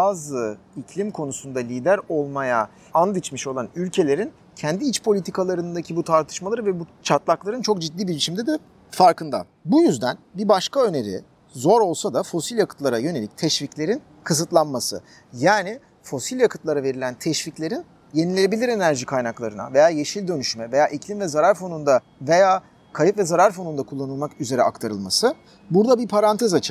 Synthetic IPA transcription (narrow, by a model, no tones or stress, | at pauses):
baːzɯ | icʰlʲimkʰo̞nusund̪alʲiːd̪æɾo̞lˠmaja | and̪ɯt͡ʃmɯʃo̞lˠanylʲcʰe̞lʲe̞ɾin | cʰɛnd̪iit͡ʃpʰo̞lʲit̪ʰikʰalˠaɾɯnd̪acʰibut̪ʰaɾt̪ʰɯ̥ʃmalˠaɾɯvɛbut͡ʃʰat̪lˠaklˠaɾɯnt͡ʃʰo̞k̚d͡ʒid̪ːiːbiɾit͡ʃʰimd̪ɛd̪ɛ | faɾkɯnd̪a̰ | bujyzd̪ænbibaʃkaø̞ne̞ɾḭ | zo̞ɾo̞lˠsad̪afo̞silʲjakʰɯ̥t̪lˠaɾajø̞ne̞lʲict̪ʰɛʃviclʲe̞ɾin | kʰɯsɯt̪lˠanmasɯ̰ | jaːni | fo̞silʲjakʰɯt̪lˠaɾave̞ɾilʲænt̪ʰɛʃviclʲe̞ɾin | je̞nilʲeebilʲiɾe̞næɾʒikʰajnaklˠaɾɯna̰ve̞jaːje̞ʃilʲd̪ø̞nyʃmɛve̞jaːʔiclʲimvɛzaɾaɾfo̞nund̪a | ve̞jaː | kʰajipvɛzaɾaɾfo̞nund̪akʰulˠːanɯlˠmakyze̞ɾɛ̰akt̪ʰaɾɯ̰lˠma̰sɯ | buɾd̪abipʰaɾant̪ʰezat͡ʃʰɯ